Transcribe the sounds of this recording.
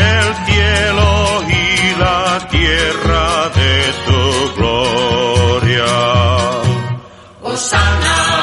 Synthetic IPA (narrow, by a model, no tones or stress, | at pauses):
elθjeloilat̪jeraðet̪uɣlo | ɾja | sn